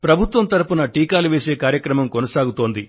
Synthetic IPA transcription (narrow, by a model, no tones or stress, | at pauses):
pɾɐbʱut̪ʋɐmt̪ɐɾupunɐʈiːkaːluʋeːse̞ːkaːɾjɐkɾɐmɐmkonɐsaːɡut̪o̞ːnd̪i